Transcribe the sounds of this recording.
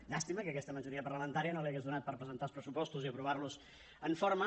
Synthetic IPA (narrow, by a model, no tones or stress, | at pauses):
ʎast̪iməkəːkɛst̪əməʒuɾiəpərləmənt̪aɾiənoliaɣezðunat̪̚pəɾpɾəzənt̪alˠspɾəsupɔst̪uziəpɾuβ̞arluz | əɱfoɾmə